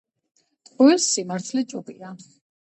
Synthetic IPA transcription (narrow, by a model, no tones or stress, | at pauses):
t̪ʼqʼɛilsːimaɾt̪ʰlɛt͡ʃʼɔbḭa